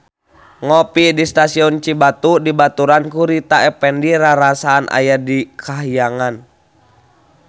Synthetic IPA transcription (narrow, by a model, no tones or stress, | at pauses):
ŋɔpidist̪asiɔnt͡ʃibat̪udibat̪uɾankuɾit̪aɛpɛndiɾaɾasaːnʔa̰jadikʰaɦijaŋan